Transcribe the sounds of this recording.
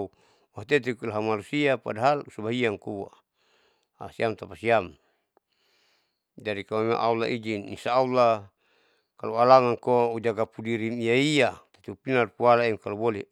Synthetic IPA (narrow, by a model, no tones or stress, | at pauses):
u | waɦt̪ɛt̪̬ikulaɦamanusiapa̰daɦalusubaɦiaŋkuwa̰ | a̰siamt̪apasiam | d͡ʒaɾikamama̰ʔaula̰ʔid͡ʒinːisaːula | kaloalaŋaŋkoud͡ʒaɡapudiɾimijaiat̪at̪upinarkualaimkalubole